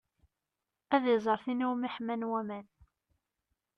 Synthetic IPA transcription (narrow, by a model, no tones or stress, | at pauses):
æðjzˤəɾˤθinuwmiħmænwæmæn